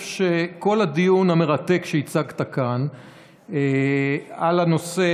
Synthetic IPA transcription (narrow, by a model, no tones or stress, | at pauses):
ʃeko̞ladijunhame̞ʁat̪e̞kʃeit͡saɡt̪akan | e | alano̞se